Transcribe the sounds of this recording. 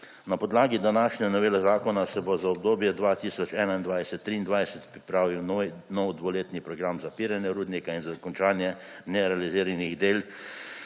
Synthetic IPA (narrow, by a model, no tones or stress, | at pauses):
napɔd̪laːɡid̪anaːʃɲɛnɔʋeːlɛzaːkɔnasɛbozaɔb̚d̪oːbjɛd̪ʋat̪iːsɔt͡ʃɛːnaind̪ʋajsɛt̪ːɾiːnd̪ʋajsɛt̪pɾipɾaːʋiwnɔwd̪ʋoleːt̪nipɾɔɡɾamzapiːɾanjɛɾuːd̪nikainzakɔnt͡ʃaːnjɛnɛɾɛaliziːɾaniɣd̪eːl